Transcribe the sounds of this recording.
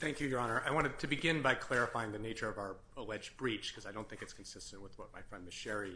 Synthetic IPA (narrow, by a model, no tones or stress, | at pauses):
θæ̃ŋkjɨjə˞ɑnə˞ʔaɪwɑ̃ɾ̃ɨd̚tʰɨbɨɡɪ̃nbaɪkʰl̥ɛɹɨfaɪɪ̃ŋðɨneɪt͡ʃə˞ʌvaʊə˞ | əlɛd͡ʒbɹit͡ʃkʰʌzaɪɾõnθɪ̃ŋkɨtskʰn̩sɪstɨ̃nʔwəðwʌt̚maɪfɹɛ̃ndɨ̥ʃɛɹi